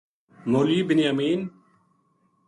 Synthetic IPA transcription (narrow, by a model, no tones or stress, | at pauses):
moːliːbɪnjaːmiːn